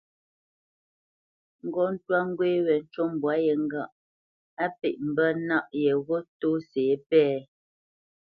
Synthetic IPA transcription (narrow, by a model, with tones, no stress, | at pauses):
ŋ̩˦˨ɡɔ˦n̩˦twa˦ŋ˦ɡwe˦wɛ˨n̩˦t͡ʃo˦m˨bwa˦jɛ˨ŋ̩˦ɡa˦˨ʔ | a˦pḛ˨ʔm̩˨bə˦na˦ʔjɛ˨ɣo˦to˦seː˨˦pɛː˦˨